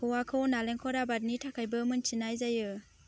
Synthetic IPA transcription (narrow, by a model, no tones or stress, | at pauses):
kʰɔwakʰɯwnaleŋkʰɔɾabat̚nitʰakʰajbɯmɯnt͡ʃʰinajzajɯ